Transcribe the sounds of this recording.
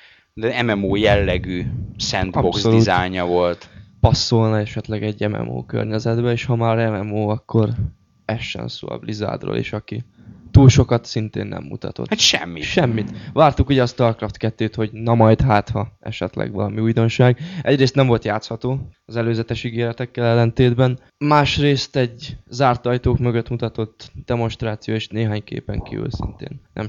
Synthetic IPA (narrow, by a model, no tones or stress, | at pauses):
d̪ɛɛmɛmoːjɛlːɛɡyːsɛnd̪ɒbopksoliuːzaːjɲɒvo̞lt̪pɒsːolnɒɛʃɛt̪lɛɡɛɟːɛmɛ̰mo̰ːkø̰rɲɛzɛd̪bɛeːʃhɒmaːɾɛmɛmoːɒkːo̞r | ɛʃːɛ̰nso̰ːɒ̰bliza̰ːd̪ro̰ːlʔḛʃɒki | t̪uːlʃo̞kɒt̪sint̪ḛːnːʔɛ̰mːṵt̪ɒ̰t̪o̰at̪ʃɛ̰mːiʃɛmːit̪ʋaːrt̪ukuːɟɛɒst̪ɒrkrɒft̪kɛt̪ːøːt̪ho̞ɟnɒmɒjd̪ɦaːt̪hɒɛ̰ʃɛ̰t̪lɛ̰ɡʋɒ̰lɒmiujd̪o̞nʃaːɡʔɛɟreːst̪nɛɱvo̞lt̪jaːt̪shɒt̪oːɒzɛløːzɛt̪ɛʃiɡeːɾɛt̪ɛkːɛlɛlːɛnt̪eːd̪bɛn | maːʃreːst̪ɛɟzaːrt̪ɒjt̪oːkmøɡøt̪mut̪ɒt̪o̞t̪ːd̪̥ɛmo̞nʃt̪raːt̪sijoːeːʃneːɦaːɲkḛːpɛŋkivy̰lsḭnt̪ḛːnːʔɛ̰m